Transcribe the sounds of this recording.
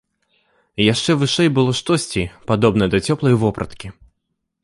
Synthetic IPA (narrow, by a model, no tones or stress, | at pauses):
jaʂt͡ʂɛvɨʂɛjbɨlˠɔʂt̪ɔsʲt͡sʲipad̪ɔbnɐd̪ɐt͡sʲɔplˠɐjvɔpɾʔɐ̰t̪kʲi